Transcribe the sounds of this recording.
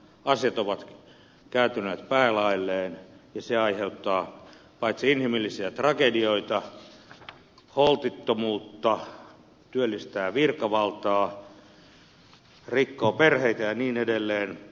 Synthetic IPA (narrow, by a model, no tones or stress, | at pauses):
ɑsjɑt̪oʋɑt̪ | kæːt̪yneːt̪pæːlɑilːeːnjɑseɑiheut̪ːɑː | pɑit̪siinhimilːisiæt̪rɑkedioit̪ɑ | holt̪it̪ːomuːt̪ːɑ | t̪yølːist̪æːʋirkɑʋɑlt̪ɑː | rikːoːperheit̪æjɑniːnedelːeːn